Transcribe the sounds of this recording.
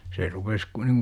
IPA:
se rupes ku niŋ

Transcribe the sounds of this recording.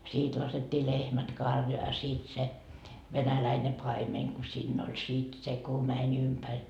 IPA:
siːt lɑsetʲːiː lehmæt kɑrjoɑ jɑ siːt se ʋenælæine pɑimeŋ ku siːnː olʲ sit se ku mænʲ ympærʲ

